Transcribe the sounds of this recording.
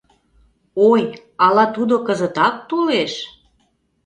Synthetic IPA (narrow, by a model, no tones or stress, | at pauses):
oj | ɑlɑt̪ud̪okəzə̆t̪ɑk̚t̪uleʃ